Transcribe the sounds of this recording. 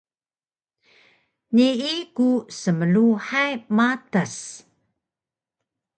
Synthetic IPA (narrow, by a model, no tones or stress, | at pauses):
niʔikusəməluħajmatas